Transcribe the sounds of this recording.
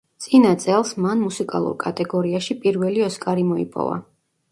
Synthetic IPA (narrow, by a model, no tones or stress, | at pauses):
t̪sʼinat̪sʼɛlˠsmanmusikʼa̰lˠṵɾkʼat̪ʼɛɡɔɾiaʃipʼiɾvɛliɔskʼaɾimɔḭpʼɔ̰va̰